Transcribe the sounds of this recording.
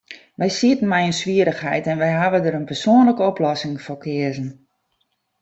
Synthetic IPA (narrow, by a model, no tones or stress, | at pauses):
ʋɛjsiətən̩mɛjənsʋiəɾəxɦɛjtɛnʋɛjɦaʋədəɾənpərsoənləkəɔplɔsɪŋfokʰɪəzən̩